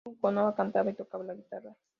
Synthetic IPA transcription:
uŋkonoβakant̪aβajt̪okaβlaɣit̪ara

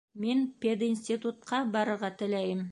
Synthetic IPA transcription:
menpʲed̪insʲt̪it̪ut̪̚qɑbɑɾɤɾʁɑt̪ʰɪlæjɪm

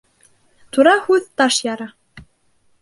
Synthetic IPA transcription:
t̪ʰuɾahuðt̪aʃjaɾa

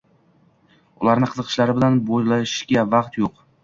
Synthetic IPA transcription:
ʊlˠaɾnɪqʰɨzɨqʰɨ̥ʃlaɾɪbɪlanbojlaʃɡʲavɑqt̪joq

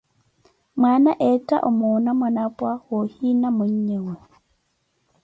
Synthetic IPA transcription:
mwanaʔɛta̰ʔomonamanapwahohinamoɲːɛwɛ

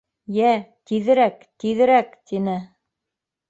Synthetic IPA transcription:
jæt̪iðɘ̆ɾæk | t̪iðɘ̆ɾækt̪inɘ

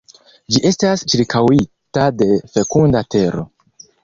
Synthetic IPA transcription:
d͡ʒiʔe̞stast͡ʃiɾkawitade̞fe̞kundate̞ɾo̞̰

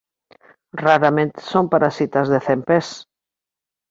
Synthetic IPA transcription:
raɾamẽnt̪ɪ̥sompaɾasit̪ɐzðeθempes

